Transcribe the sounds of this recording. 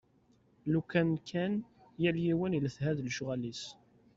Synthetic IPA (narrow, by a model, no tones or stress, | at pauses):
lukænkʰæn | jæljiwəniləθhæðlʒʊʁælis